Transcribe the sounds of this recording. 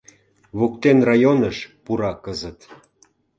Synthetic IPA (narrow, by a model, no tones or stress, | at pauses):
βokt̪enrɑjonəʃpuɾɑkəzə̆t̪